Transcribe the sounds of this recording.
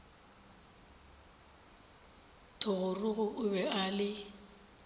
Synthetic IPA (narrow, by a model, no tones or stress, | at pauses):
tʰʊɣʊrʊɣʊʔʊbɛalɪ